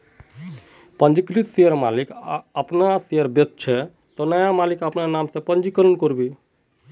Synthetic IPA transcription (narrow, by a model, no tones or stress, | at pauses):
pənd͡ʒiklit̪seəɾmalikəpnaseəɾbett͡ʃʰɛ | t̪ɔnəjamalikəpnanamsẽpənd͡ʒikələnkoɾbi